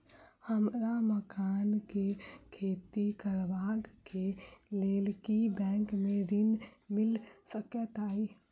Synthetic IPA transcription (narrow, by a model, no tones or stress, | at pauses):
həmɾaməkaːnkekʰeːt̪ikəɾʋaːɡkeleːlkibɛ̃ːŋkmẽɾɪnmɪlsəket̪aːi